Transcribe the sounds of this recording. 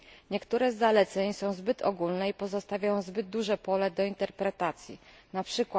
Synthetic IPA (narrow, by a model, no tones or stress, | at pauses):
ɲɛkt̪uɾɛzːalɛt̪sɛɲsɔ̃w̃zbɘt̪ʰɔɡulnɛipɔzɔst̪avʲajɔ̃w̃zbɘd̪̚d̪uʐɛpɔlɛd̪ɔint̪ɛɾpɾɛt̪at̪sʲjḭ | napʂɘkwa